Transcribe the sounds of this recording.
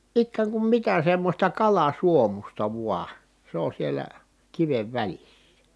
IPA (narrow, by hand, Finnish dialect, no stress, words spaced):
ikːæːŋ kum mitæ semːosʲtɑ kɑlɑsuomustɑ ʋuɑ se on sielæ kiʋeʋ ʋælisːæ